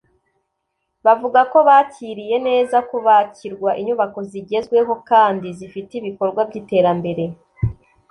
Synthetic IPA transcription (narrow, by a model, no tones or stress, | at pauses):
βavuɡako̞βaːciɾije̞ne̞ːzakuβaciɾɡwaʔiɲuβako̞ziɟe̞zɡwe̞ɦo̞kaːndizifitiβiko̞ɾɡwabɟiːte̞ːɾambe̞ɾe̞